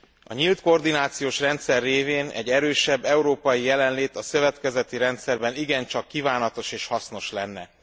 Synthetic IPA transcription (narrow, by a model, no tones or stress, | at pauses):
ɒɲilt̪kord̪inaːt̪sijoːʃrɛnt̪sɛrːeːveːnɛ̰ɟːɛɾøːʃɛbːɛuɾoːpɒjijɛlɛnleːt̪ɒsø̞vɛt̪kɛzɛt̪iɾɛnt̪sɛrbɛniɡɛnt͡ʃɒkːiːvaːnɒt̪o̞ʃeːʃhɒsno̞ʃlɛnːɛ̰